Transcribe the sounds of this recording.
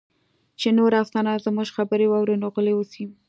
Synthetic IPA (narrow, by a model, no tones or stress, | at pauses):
t͡ʃenoɾaft̪ɑnazəmuʒxabəɾewɑwɾenoɣəlewusi